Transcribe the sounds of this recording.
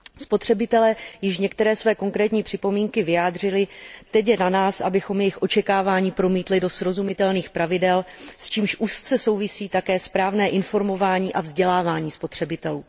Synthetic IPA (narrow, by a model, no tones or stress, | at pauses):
spo̞t̪r̝̥ɛbɪt̪ɛlɛːjɪʃɲɛk̚t̪ɛɾɛːsvɛːko̞ŋkɾɛːt̪ɲiːpr̝̥ɪpo̞miːŋkɪvɪjaːd̪r̝ɪlɪt̪ɛcjɛnanaːsʔa̰bɪxo̞mjɛjɪxʔo̞t͡ʃɛkaːvaːɲiːpɾo̞miːt̪lɪdo̞sɾo̞zumɪt̪ɛlniːxpɾavɪdɛlst͡ʃiːmʃʔuːst͡sɛso̞wvɪsiːt̪akɛːspɾaːvnɛːʔɪnfo̞ɾmo̞vaːɲiːʔavzɟɛlaːvaːɲiːspo̞t̪r̝̥ɛbɪt̪ɛluː